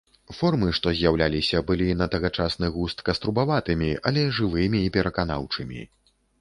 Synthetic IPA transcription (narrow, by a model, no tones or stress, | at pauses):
fɔrmɨʂt̪ɔzʲjawlʲalʲisʲɐbɨlʲinɐt̪ɐɣat͡ʂasnɨɣust̪kɐst̪ɾubavat̪ɨmʲiɐ̰lʲɛʐɨvɨmʲiːpʲɛɾɐkana̰wt͡ʂɨmʲḭ